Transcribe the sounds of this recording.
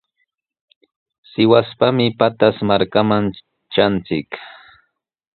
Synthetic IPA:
sɪwaspamɪpat̪asmaɾkaman | t͡ʃant͡sɪk

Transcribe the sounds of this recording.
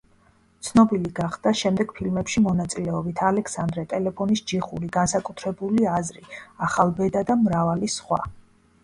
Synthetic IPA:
t̪sʰnɔbiliɡaχd̪̥aʃɛmd̪ɛɡ̥pʰilmɛpʃimɔnat̪sʼilɛɔbit̪ʰalɛkʰsand̪ɾɛt̪ʼɛlɛpʰɔnisd͡ʒiχuɾiɡansakʼut̪ʰɾɛbuliazɾiaχalˠbɛd̪ad̪amɾavalisχwa̰

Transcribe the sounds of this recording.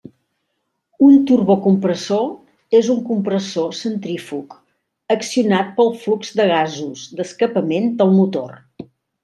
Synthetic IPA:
unt̪urβokumpɾəso | ezuŋkumpɾəsosənt̪ɾifuk | əksiunat̪̚pəlˠflukzd̪əɣ̞azuzd̪əskəpəmend̪əlˠmut̪o̰r

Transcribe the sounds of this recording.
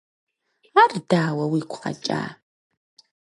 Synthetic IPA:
ardaːwɐwiːkʷʰʼqa̰t͡ʃʼa̰ː

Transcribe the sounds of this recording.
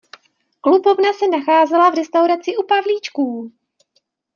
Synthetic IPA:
klubo̞vnasɛnaxaːzɛlavɾɛst̪awɾat͡sɪʔupavliːt͡ʃkuː

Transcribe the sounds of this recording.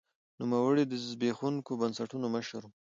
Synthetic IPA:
numawəɽid̪əzzbexuŋkobənsaʈunoməʃəɾ

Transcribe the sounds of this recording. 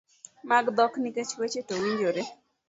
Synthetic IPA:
maɡd̪ɔkniket͡ʃwet͡ʃetowiɲd͡ʒoɾe

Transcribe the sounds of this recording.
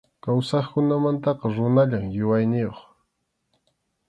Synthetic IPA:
kawsɑχkʊnamant̪ɑqɑɾʊnaʎaŋjʊwajnɪjoχ

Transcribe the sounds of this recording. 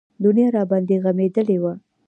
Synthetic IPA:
d̪unjɑɾɑbɑnd̪eɣamed̪əlewa

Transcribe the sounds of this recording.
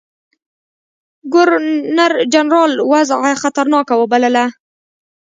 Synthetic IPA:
ɡʊɾnaɾd͡ʒanɾɑlwazaxat̪aɾnɑkawəbaləla

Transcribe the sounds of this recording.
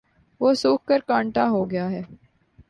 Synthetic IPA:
ʋoːsuːk̚kəɾkãːɳʈaɦoːɡɪjaːɦɛː

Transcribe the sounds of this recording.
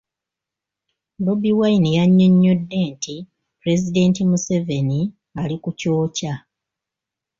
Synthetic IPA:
do̞biwajnijaɲːoɲːo̞dːe̞ːntʰi | pɾe̞zide̞ːntimuseve̞ni | alikuco̞ːca

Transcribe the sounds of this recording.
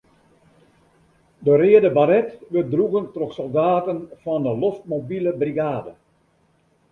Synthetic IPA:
dərɪədəbaɾɛtʋɪdruɣəntroxsɔlˠdaːtənfɔndəloft̚mobiləbriɡaːdə

